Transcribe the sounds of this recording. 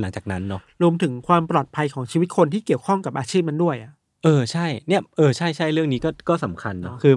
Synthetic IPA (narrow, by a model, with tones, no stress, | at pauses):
la˩˦ŋt͡ɕaː˨˩na˦˥nːɔ˦˥ɾu˧əmt̪ʰɯ˩˦ŋkʰwaː˧mpɾlɔː˨˩t̪̚pʰa˧jkʰɔː˩˦ŋt͡ɕʰiː˧wi˦t̪̚kʰo˧nt̪ʰiː˥˩ki˨˩əwkʰɔ˥˩ŋka˨˩p̚ʔaː˧t͡ɕʰiː˥˩p̚ma˧ndu˥˩əjʔa˨˩ʔ | ʔɤː˧t͡ɕʰa˥˩jni˥˩əʔɤː˧t͡ɕʰa˥˩jt͡ɕʰa˥˩jɾɯ˥˩əŋniː˦˥kɔː˥˩kɔː˥˩sa˩˦mkʰa˧nːɔ˦˥kʰɯː˧